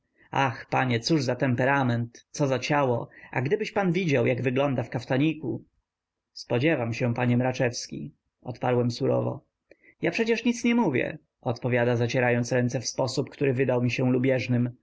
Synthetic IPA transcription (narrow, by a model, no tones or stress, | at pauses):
axpaɲɛt̪suʐzat̪ɛmpɛɾamɛnt̪sɔzat͡ɕawɔa̰ɡd̪ɘbɘɕpanvʲid͡ʑawjʔaɡvɘɡlɔnd̪afkaft̪aɲiku | spɔd͡ʑɛvamɕɛ̃paɲɛmɾat͡ʂɛfskʲḭ | ɔt̪paɾwɛmsuɾɔ̰vɔ̰ | japʂɛt͡ɕɛʂɲit̪sɲɛmuvʲjɛ̰ | ɔt̪pɔvʲjad̪azat͡ɕɛɾajɔnt̪sɾɛnt̪sɛfspɔsupkt̪uɾɘvɘd̪awmʲiɕɛlubʲjɛʐnɘm